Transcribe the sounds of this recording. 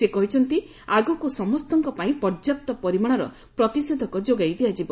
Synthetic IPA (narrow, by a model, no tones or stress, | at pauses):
sekɔɦit͡ʃʰɔnt̪i | aɡɔkusɔmɔst̪ɔŋkɔpaĩpɔɾd͡ʒak̚t̪ɔpɔɾimaɽ̃ɔɾɔ̰ | pɾɔt̪ised̪ʱɔkɔd͡ʒoɡajd̪iad͡ʒibɔ